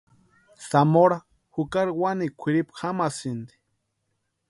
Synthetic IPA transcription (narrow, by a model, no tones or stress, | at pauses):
samoɾa | hukaɾiwanikʷʰiɾipxamasind̪i̥